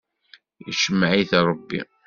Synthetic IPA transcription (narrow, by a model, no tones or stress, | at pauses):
jəʃəmːʕiθɾˤəbːḭ